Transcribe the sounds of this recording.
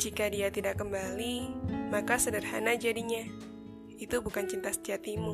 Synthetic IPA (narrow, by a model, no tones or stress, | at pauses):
d͡ʒikadiat̪idakːəmbalimakasənərhanad͡ʒadiɲa | it̪ubukant͡ʃint̪asə̥t̪iat̪imu